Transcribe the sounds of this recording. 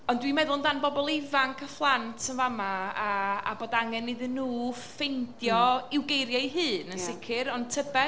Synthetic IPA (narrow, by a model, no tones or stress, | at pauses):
ɔndwimɛðʊlˠndanbɔbɔlˠɪvaŋkʰəflˠantʰənvamaaa̰boːdaŋɛnːɪðɨnːuː | fejndjɔɪwɡejɾjaiɦɨːnənsɪkʰɪɾɔntʰəbɛ